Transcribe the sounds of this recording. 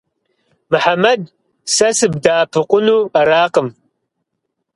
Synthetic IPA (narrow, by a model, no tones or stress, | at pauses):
mɨħamɐd̚ | sɐsɨb̚daːpʰɨqʷʊnuːɐɾaːqəm